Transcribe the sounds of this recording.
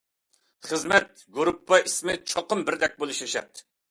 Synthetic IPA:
χəzmɛt̪̚ | ɡuɾupʰːɑʔismɪt͡ʃʰɑqəmbɪɾd̪ɛk̚ʲbolˠuʃɛʃɛ̰t̪

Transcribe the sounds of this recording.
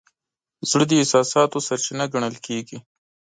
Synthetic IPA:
zɽəd̪əɪsɑsɑt̪osaɾt͡ʃinaɡaɳ̃əlkeɡi

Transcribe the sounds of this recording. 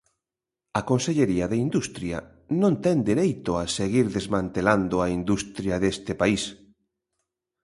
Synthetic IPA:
ɐkonseʎeɾiɐðeind̪ust̪ɾjɐ̰ | nõnt̪ɛnd̪iɾejt̪oaseɣiɾðezmãnt̪eland̪ʊaind̪ust̪ɾjɐðest̪ɪpais

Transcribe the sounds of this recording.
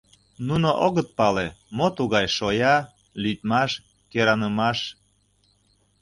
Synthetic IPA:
nunoʔoɣət̪̚pɑlemot̪uɣɑjʃojɑ | lyt̪̚mɑʃ | keɾɑnəmɑʃ

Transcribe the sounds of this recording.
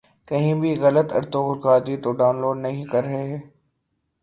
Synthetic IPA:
kɐɦĩbʱiɣɐlət̪ɐ̰ɾt̪õɡʊɾkaːd̪it̪oɖaːʊnloːɖnɐɦĩkɐɾːɐɦeɦɛː

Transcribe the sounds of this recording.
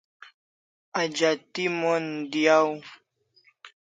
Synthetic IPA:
ad͡ʒat̪imɔnd̪iaw

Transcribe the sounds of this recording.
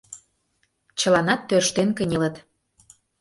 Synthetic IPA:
t͡ɕə̆lɑnɑt̪ːørʃt̪enkənʲelət̪

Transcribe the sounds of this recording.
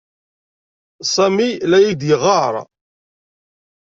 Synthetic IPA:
sˤæmilæjid̪jəʁɑɾˤ

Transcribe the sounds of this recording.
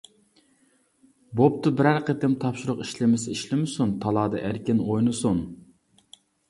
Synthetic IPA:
bop̚t̪ɨbɪɾæɾqət̪ɪmt̪ʰɑpʃuɾʊqiʃlɪmɪsiʃlɪmɪsunt̪ʰɑlˠɑːd̪ɑ̰ʔæɾkʲɪnojnɨsun

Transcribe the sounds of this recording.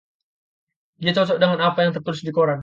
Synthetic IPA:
diat͡ʃɔt͡ʃɔʔdəŋanapajaŋt̪ərt̪uɾʊsdikoɾan

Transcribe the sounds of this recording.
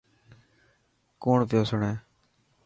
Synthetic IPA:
koːɳpɪjoːsʊɳɛ̃ː

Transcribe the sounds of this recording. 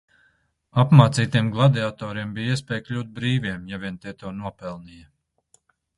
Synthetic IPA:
apmaːt̪siːt̪iɛmɡlˠad̪ɛat̪ɔːɾiɛmbijiɛspʲɛːjklʲuːt̪̚bɾiːviɛmjavʲiɛnt̪iɛt̪uːnuɔpɛlˠnijɐ

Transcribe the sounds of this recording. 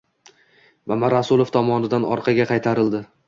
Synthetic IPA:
mamaɾasulˠoft̪ʰɒmɒnɪd̪anɒɾqʰɑɡʲaqʰɑjt̪ʰaɾɪld̪ɪ

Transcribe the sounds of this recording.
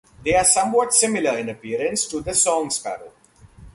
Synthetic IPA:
d̪eːaːɾsʌ̃mʋɔʈsɪmɪləɾɪ̃nəpiəɾə̃nsʈud̪əsɔ̃ːŋspæ̰ɾə̰l

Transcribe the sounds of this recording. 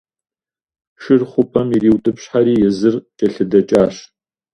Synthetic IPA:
ʂɨrχʷʊpʼɐmiriːwtʼɨpɕħaɾiːjɛzɨrt͡ʃʼɐɬɨdɐt͡ʃʼaːɕ

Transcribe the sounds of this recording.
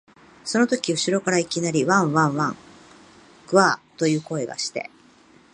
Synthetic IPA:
so̞no̞t̪okʲiɯ̟ɕiɾo̞kaɾaikʲinaɾʲiβãɰ̃βãɰ̃βãŋ | ɡɯ̟βaːt̪o̞jɯ̟ːko̞e̞ɡa̰ɕi̥t̪e̞̰

